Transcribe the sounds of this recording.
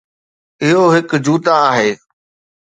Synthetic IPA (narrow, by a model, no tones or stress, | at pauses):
ɪɦoɦɪkd͡ʑuːt̪ãaːɦeː